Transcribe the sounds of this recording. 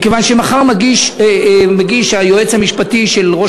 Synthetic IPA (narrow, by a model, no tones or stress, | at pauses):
kevanʃemaχaʁmaɡiʃemeɡiʃhajoet͡shamiʃpatiʃe̞lʁo̞